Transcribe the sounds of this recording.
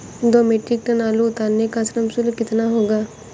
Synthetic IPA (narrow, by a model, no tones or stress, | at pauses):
d̪oːmeːʈɾɪk̚ʈ̪ənaːlũːt̪aːnekasnəmsʊlkɪt̪naːɦoːɡaː